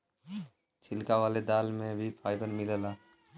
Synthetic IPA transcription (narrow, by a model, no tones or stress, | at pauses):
t͡ʃʰɪlkaʋaːled̪aːlmẽbʱipʰaːɪbəɾmɪlelaː